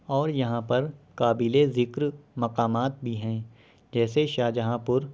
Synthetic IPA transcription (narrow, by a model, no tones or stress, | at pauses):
ɔːɾjɐɦãpɐɾkaːbɪlezɪkɾmɐqaːmaːt̪̚bʱiɦɛ̃ː | d͡ʒɛːseʃaːd͡ʒɦãːpʊɾ